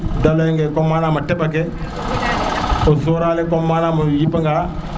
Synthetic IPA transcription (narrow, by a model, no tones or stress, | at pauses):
dalojɛ̃ŋɡɛkɔmaːnamatɛbak̬ɛ | osoːɾaːlekɔmaːnamajipaŋɡa